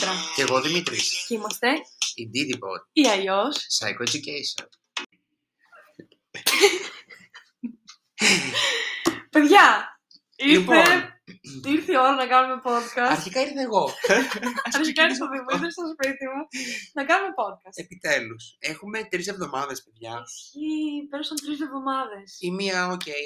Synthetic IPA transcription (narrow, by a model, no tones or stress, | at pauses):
ɾɐceɣoðimit̪ɾḭscimɐst̪e̞ind̪iðibo̰ɾiɐjo̞ssɐ̰jkoed̪ucejso̰n | peðʝɐ | iɾpe | iɾθio̞ɾɐnɐkɐnume̞po̞t̪kɐsɐɾçikɐiɾθeːɣo | ɐɾçikɐiɾst̪oðimuiθest̪ospit̪imunɐkɐnume̞po̞d̪̚kɐsepit̪e̞lusexumet̪ɾis̬e̞vðo̞mɐðe̞speðʝɐipeɾosɐnt̪ɾisevðo̞mɐðe̞simiɐocej